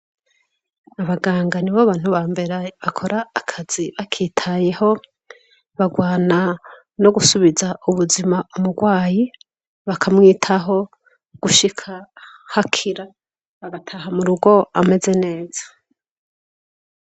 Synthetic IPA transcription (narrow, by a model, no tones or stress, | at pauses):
aβaɡaːŋɡaniβoβaːn̥uβaːmbe̞ɾaβakʰo̞ɾaːkʰaz̥iβakʰiːtʰaje̞ho̞ | βaɡwaːna | no̞ɡusuβizaʔuβuzimaumuɡwaːji | βakʰamŋiːtʰaɦo̞ | ɡ̥uʃikʰa | hakʰiɾa | βaɡatʰaɦamuɾuɡo̞a̰me̞ze̞ne̞ːz̥ḁ